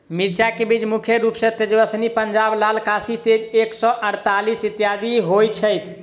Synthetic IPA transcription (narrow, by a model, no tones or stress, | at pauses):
miɾt͡ʃakebit͡ʃmukʰjəɾupsẽt̪ed͡ʒbəsnipənd͡ʒablalkasit̪ed͡ʒeksɔʔəɽt̪alisit̪jad̪iɦojt͡ʃʰəjt̪ʰ